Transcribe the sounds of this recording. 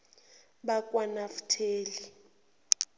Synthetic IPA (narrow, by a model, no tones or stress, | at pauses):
ɓakʼwanafu̥tʰeːli